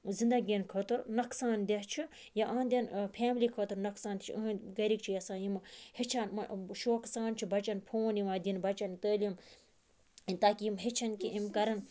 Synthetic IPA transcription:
zind̪ɐɡʲenkʰɐt̪ɨɾnɐksaːnd̪ʲɐɦt͡ʃʰi | jaʔaːnd̪ʲɐnpʰaːmlikʰɐt̪uɾnɐksãːnt̪i̥t͡ʃʰḭʔəɦnɡɐɾik̚t͡ʃʰijɐsãːjimɨhet͡ʃʰanmɐʃoːksaːnt͡ʃʰibɐt͡ʃɐnpʰoːnjimaːd̪ʲinbɐt͡ʃɐnt̪əːljim | nt̪aːkʲijimɦet͡ʃʰɐnkiʔimkɐɾɐn

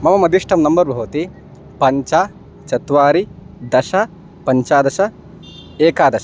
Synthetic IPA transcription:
mɐmɐmɐd̪ʱiʂʈʰɐmnɐmbɐɾbʱɐʋɐt̪i | pɐɲt͡ʃa | t͡ʃɐt̪ʋaːɾid̪ɐʃɐ | pɐɲt͡ʃaːd̪ɐʃɐ | eːkaːd̪ɐʃɐ̥

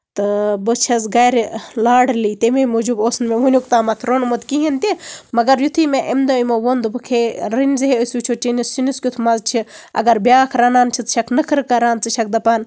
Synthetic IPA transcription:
t̪ɨbɨt͡ʃʰɐsɡɐɾlaːɽlit̪ememod͡ʒuboːsnmeʋunʲjukt̪aːmɐt̪ʰɾonmot̪kiɦint̪ʲemɐɡɐɾjut̪ʰimeʔemd̪ojmoʋond̪ɨbɨkʰeɾinʲziɦeəsʲut͡ʃʰot͡ʃinisːiniskʲut̪ʰmɐzt͡ʃʰiɐ̰ɡɐɾbʲjaːkʰɾɐnaːnt͡ʃʰit̪ʃɐkʰnɨkʰɨɾkɐɾaːnt͡sɨʃɐk̚d̪ɐpaːn

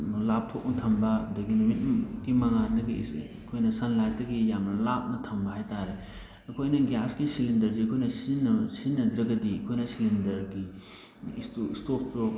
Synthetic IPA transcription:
lap̚tʰok̚nɐtʰɐmbɐduɡinumit̚kimɐŋanɐɡi | kʰojnɐsɐnlaɾtɐɡijamnɐlap̚nɐtʰɐmbɐɦajtaɾe | ɐkʰojnɐɡaskisilindɐɾsiɐkʰojnɐsnsinːɐdɾɐɡɐdiɐkʰojnɐsilindɐɾɡi | stoistopʰo

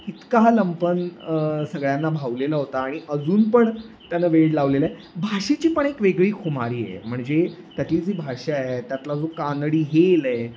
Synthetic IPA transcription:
it̪kaɦaləmpənsəɡɭjanːabʱaʋlelaɦot̪aːɽ̃iʔəd͡zuːnpəɳ | t̪janːaʋeɽlaʋleləe | bʱaʂet͡ɕiːpəɳekʋeɡɭiːkʰumaɾiːjḛm̤əɳd͡zet̪jat̪iːd͡ziːbʱaʂeaɦet̪jat̪lad͡zokanəɽiːɦeləe

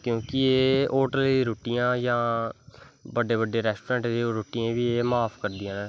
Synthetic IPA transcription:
kjõːkɪeːoːʈəld̪iːɾoːʈijãːjãː | bəɖeːbəɖeːɾɛːsʈoːɾɛ̃ːɳʈd̪eoːɾoːʈijãːbiːeːmaːpʰkəɾd̪iːãːɛː

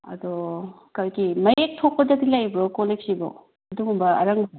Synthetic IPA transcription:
ɐ̰d̪o | kɐɾkimɐek̚tʰok̚pɐdɐdilajbɾokoleksibo̰ | ɐduɡumbɐɐ̰ɾɐŋb

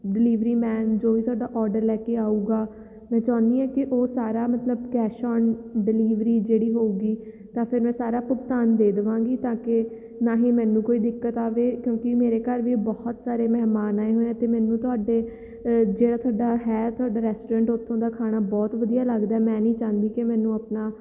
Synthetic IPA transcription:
ɖɪliːʋɾiːmɛ̃ːnd͡ʒoːʋiːt̪ʰʊwaːɖaːʔɔːɾɖəɾlɛːkeːaːuːɡaː | mɛ̃ːt͡ʃãːnd̪iːɛ̃ːkɪʔoːsaːɾaːmət̪ləbkɛːʃɔːnɖɪliːʋɾiːd͡ʒeːɽiːɦoːuːɡiː | t̪ãːpʰɪɾmɛ̃ːsaːɾaːpʊkt̪aːnd̪eːd̪ɪʋãːɡiːt̪ãːkɪ | naːɦiːmɛ̃ːnũːkoːiːd̪ɪkːət̪aːʋeːkjõːkɪmeːɾeːkəɾʋibɔːht̪saːɾeːmɛːɦmaːnaːeɦoːeãːt̪eːmɛ̃ːnũːt̪ʊaːɖeː | d͡ʒeːɽaːt̪ʰʊaːɖaːɦɛːt̪ʰʊaːɖaːɾɛːsʈoːɾɛ̃ːɳʈot̪ʰːõːd̪aːkʰaːɽ̃aːbɔːt̪ʋəd̪ijaːləɡd̪aːɛːmɛ̃ːnĩːt͡ʃãːnd̪iːkemɛ̃ːnũːapnaː

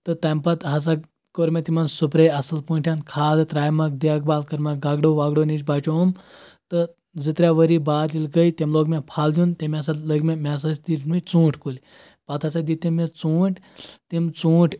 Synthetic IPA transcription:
t̪ɐt̪ɐmpɐt̪ɦɐs̬a | koɾmʲet̪imɐnsupɾeɐsɐlpuɳʈʰʲankʰaːd̪t̪ɾaːjmɐk̚d̪eak̚baːlkɐɾmaɡaːɡɖoʋaɡɽonit͡ʃbat͡ʃoumt̪ə | d͡zɨt̪ɾʲaʋəɾibaːd̪lilkəjt̪emloːɡmʲapʰaːld̪ʲjũnt̪emias̬aləɡmemʲas̬ɐsd̪iʈʰmit͡sũːʈʰkulʲ | pɐt̪ʰɐsad̪it̪imet͡suːʈʰt̪imt͡suːʈʰ

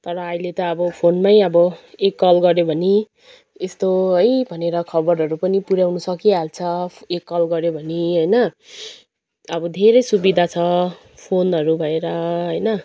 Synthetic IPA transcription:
t̪ʌɾʌːjlet̪ʌːbʌpʰonmajʌbʌekːʌlɡʌɾjobʱʌni | est̪oɦʌjbʱʌneɾʌkʰʌbʌɾɦʌɾupʌnipuɾjawnusʌkiɦalt͡sʰʌekːʌlɡʌɾjobʱʌniɦʌjnʌ | ʌbʌd̪ʱeɾʌjsubid̪ʱat͡sʰʌ | pʰonɦʌɾubʱʌeɾʌɦʌjnʌ

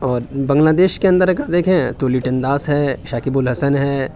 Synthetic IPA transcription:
ɔːɾbɐ̃ŋɡlaːd̪eːʃkeɐ̃nd̪əɾɐɡəd̪eːkʰẽt̪oːliːʈɐ̃nd̪aːsɦɛːʃaːkibʊlɦɐsənɦɛː

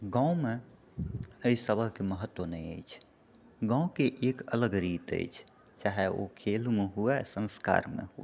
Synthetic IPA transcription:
ɡãme | əisəbəɦkeməɦət̪ːwonəjə̰jt͡ʃʰ | ɡãũkeʔekələɡɾit̪ə̰jt͡ʃʰ | t͡ʃaɦeo̰kʰelmeɦuɛsə̃nska̰ɾmḛɦṵɛ

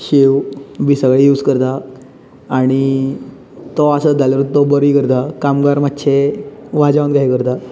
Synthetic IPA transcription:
ɕewbisəɡɭejuːd͡zkəɾt̪aː | ɽ̃i | t̪ɔasəd͡zaljɾut̪ɔbəɾikəɾt̪akamɡaɾmatːɕʰeʋad͡ʑaʋənd̪ɡaɦikəɾt̪a

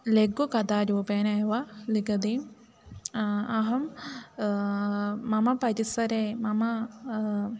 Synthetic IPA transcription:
leɡukɐd̪aːɾuːpeːnɐʋɐlikɐd̪iːm | ɐɦɐm | ɐmɐpɐɾisɐɾemɐmɐ

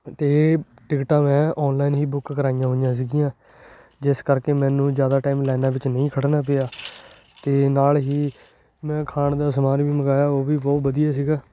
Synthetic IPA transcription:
t̪eː | ʈɪkʈãːmɛ̃ːʔɔːnlaːinɦiːbʊkkəɾaːɪjãːɦoɪjãːs̬iːɡijãː | d͡ʒɪskəɾkeːmɛ̃ːnũːzjaːd̪aːʈaːɪmlɛːnaːʋɪt͡ʃnəĩːkʰəɽnaːp̬eːaː | t̪eːnaːlɦiː | mɛ̃ːkʰaːɳd̪aːsəmaːɾʋiːməɡaːjaːoːʋiːbɔːʋəd̪ijaːs̬iːɡaː

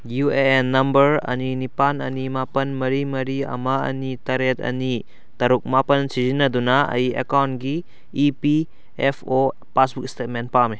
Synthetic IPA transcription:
jueenːɐmbɐɾɐ̰ninipanɐ̰nimapɐnmɐɾimɐɾiɐ̰maɐ̰nitɐɾet̚ɐ̰ni | tɐɾuk̚mapɐnsizinɐdunaɐ̰jiḛkawntɡiː | pi | epʰo | pasbuk̚stet̚ment̚pame

